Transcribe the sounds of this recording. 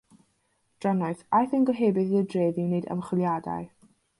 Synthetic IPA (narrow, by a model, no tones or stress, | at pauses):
d̥ranɔɨθajθənɡɔɦeːbɨðiðədreːðineɨdə̰mχwɪlˠjada̰ɨ